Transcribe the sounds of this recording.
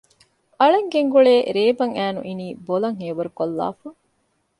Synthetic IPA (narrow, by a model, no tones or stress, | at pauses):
ɐɭeŋɡeŋɡuɭeːɾeːbɐŋæːnṵʔiniːbolɐŋɦeːʋɐɾukolːa̰ːfɐ